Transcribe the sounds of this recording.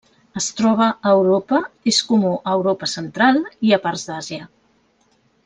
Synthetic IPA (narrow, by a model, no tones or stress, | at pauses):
əst̪ɾɔβ̞əːwɾopəeskumuʔəwɾopəsənt̪ɾalˠiəparzd̪aziə